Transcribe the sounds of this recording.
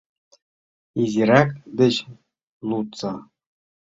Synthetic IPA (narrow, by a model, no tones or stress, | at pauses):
izʲiɾɑkd̪ɘ̆ɕ | lˠut̪t͡sɑ